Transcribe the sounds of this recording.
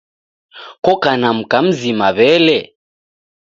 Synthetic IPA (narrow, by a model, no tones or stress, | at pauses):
kɔkanam̩kam̩zimaβɛlɛ